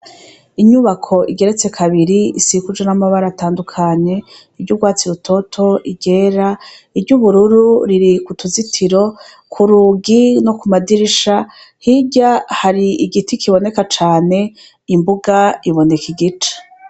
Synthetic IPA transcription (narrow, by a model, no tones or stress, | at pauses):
iɲuβakʰo̞ʔiɡe̞ɾet͡se̞kʰaβiɾiisikud͡ʒenamaβaɾataːndukʰaɲe̞ | iɾɟuɡwaːt͡siɾutʰo̞tʰo̞ʔiɟe̞ːɾa | iɾɟuβuɾuɾuɾiɾikutuzitʰiɾo̞ | kʰuɾuɡino̞kumadiɾiʃa | hiɟahaɾiiɡitikiβo̞ne̞kat͡ʃaːne̞ | imbuɡaiβo̞ne̞kiɡit͡ʃḁ